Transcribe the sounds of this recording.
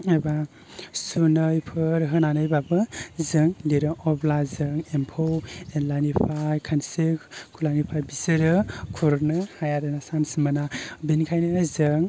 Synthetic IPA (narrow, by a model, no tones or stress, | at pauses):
eba | sunɯjpʰɯɾɦɯnanɯjbabɯzɯŋliɾɯʔɔblazɯŋempʰowenlanipʰajkʰansikkʰulanipʰajbisɯɾɯkʰuɾnɯhajaɾɯnasansimɯnabinkʰajnɯnazɯŋ